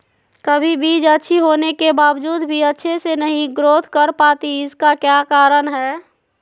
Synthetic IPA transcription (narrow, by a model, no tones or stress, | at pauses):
kəbʱibʱid͡ʒətːʃʰiɦonekebabd͡ʒud̪bʱiətːʃʰesenəɦĩɡɾot̪ʰkəɾpat̪iɪskakjakaɾənɦɛː